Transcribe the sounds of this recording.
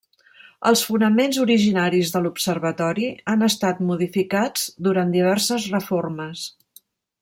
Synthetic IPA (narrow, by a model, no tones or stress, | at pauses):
əlˠsfunəmenzuɾiʒinaɾizðəlupsərβət̪ɔɾianəst̪at̪muðifikad͡zd̪uɾand̪iβ̞ɛrsəzrəforməs